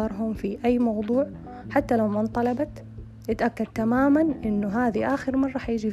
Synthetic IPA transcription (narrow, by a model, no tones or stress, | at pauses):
ɑɾˤɦʊmfiʔajːmɑwd̪ˤuːʕ | ħat̪ːalawmant̪ˤɑlɑbɑt̪ | ʔɪt̪ʔakːad̪̚t̪amaːmanʔɪnːʊɦaːðiʔaːxɪɾmɑrˤːɑħjɪd͡ʒi